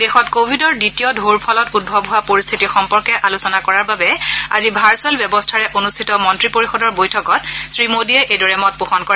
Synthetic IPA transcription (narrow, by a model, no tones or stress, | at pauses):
dexɔtkobʱidɔɹditijɔdʱoɹpʰɔlɔtud̚bʱɔbɦʊwapoɹist̪ʰitixɔmpɔɹkɛʔalusɔnakɔɹaɹbabɛa̰zibʱaɹsɛlbjɛbɔstʰaɹɛʔonustʰitɔmɔntɹipoɹixɔdɔɹbojtʰɔkɔt̚sɹimodiɛʔejdɔɹɛmɔt̚puxɔnkɔɹa